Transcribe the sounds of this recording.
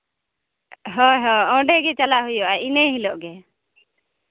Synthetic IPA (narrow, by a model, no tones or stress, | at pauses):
ɦɔɦɔ̃ɔ̃ɖɛɡɛt͡ʃalaʔɦujɔʔaineɦilɔʔɡɛ